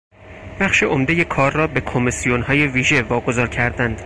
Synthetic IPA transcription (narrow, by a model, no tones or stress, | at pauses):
b̥æχʃeʔomd̪e̞je̞kʰɒːɾːɒːbe̞kʰomisijonhɒːje̞viːʒevɒːɡo̞zɒːɾcʰæɾd̪ænd̪̥